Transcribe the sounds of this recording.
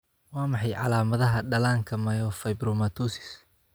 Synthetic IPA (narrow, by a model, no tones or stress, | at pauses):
wɑːmɑħɑjʕɑ̰laːmɐðɐɦɐɖɐlaːŋkʰɐmɐjɔfɐjbɾɔmat̪ʰuːsɪ̥s